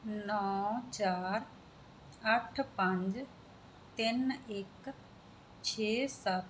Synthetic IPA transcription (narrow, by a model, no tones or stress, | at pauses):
nɔːt͡ʃaːɾ | əʈʰpə̃ɲd͡ʒ | t̪ɪnɪk | t͡ʃʰeːsət̪